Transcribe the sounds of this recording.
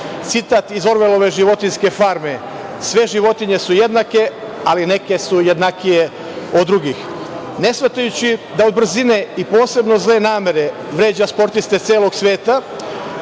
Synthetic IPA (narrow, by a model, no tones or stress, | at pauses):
t̪sit̪aːt̪izo̞ɾʋelo̞ʋe̞ʒiʋo̞t̪inske̞faɾme̞ | sʋe̞ʒiʋo̞t̪iɲe̞suje̞d̪nake̞aline̞ke̞sujed̪nakije | o̞d̪ːɾuɡix | ne̞sʋat̪ajut͡ɕid̪ao̞d̪br̩zine̞ipo̞ːse̞bno̞zle̞naːme̞ɾe̞ | ʋɾe̞ːd͡ʑaspo̞ɾt̪ist̪e̞t̪seːlˠoɡsʋe̞ːt̪a